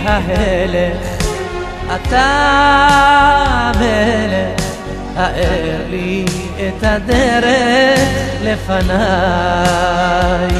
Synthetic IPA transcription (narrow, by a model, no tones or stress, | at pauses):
ɦaɦele | ʔat̪a | bele | haʔeɾli | et̪ad̪eɾe | lefana | j